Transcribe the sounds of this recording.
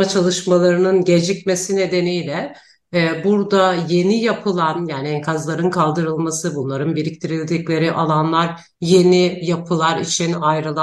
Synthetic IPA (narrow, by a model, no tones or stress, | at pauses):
at͡ʃʰalˠɯʃmalˠaɾɯnɯnɟe̞d͡ʒicme̞sine̞d̪e̞nijlʲɛ | buɾd̪aje̞nijapʰɯlˠanjaːniɛŋkʰazlˠaɾɯnkʰalˠd̪ɯɾɯlˠmasɯbunlˠaɾɯnbeɾʲic̚t̪ʰiɾilʲd̪iclʲe̞ɾiʔalˠanlˠaɾ | je̞nijapʰɯlˠaɾit͡ʃʰinajɾɯlˠa